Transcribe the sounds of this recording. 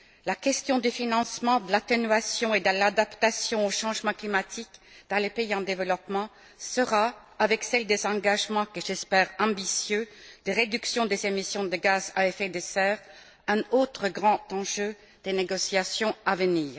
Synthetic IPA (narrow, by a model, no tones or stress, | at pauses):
lakʲɛst̪jɔ̃d̪yfinɑ̃smɑ̃d̪əlat̪enyɥasjɔ̃ed̪əlad̪apt̪asjɔ̃oʃɑ̃ʒmɑ̃klimat̪ikd̪̥ɑ̃lepeiɑ̃d̪evəlɔpmɑ̃ | səʁa | avɛksɛld̪ezɑ̃ɡaʒmɑ̃kəʒɛspɛːʁɑ̃bisjød̪̥eʁed̪yksjɔ̃d̪ezemisjɔ̃d̪əɡazaɛfed̪esɛːʁ | ɛ̃ot̪χəɡʁɑ̃t̪ɑ̃ʒø | d̪̥eneɡɔsjasjɔ̃avəniːʁ